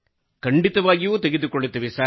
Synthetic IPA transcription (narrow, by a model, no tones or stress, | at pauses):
kɐɳɖit̪ɐʋaːɡijut̪eɡed̪ukoɭːut̪ːɐʋisaː